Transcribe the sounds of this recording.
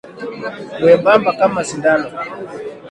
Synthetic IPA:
wɛmbambakamazindanɔ

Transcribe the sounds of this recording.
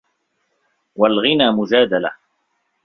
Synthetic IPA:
walɣɪnaːmʊd͡ʒaːd̪ala̰

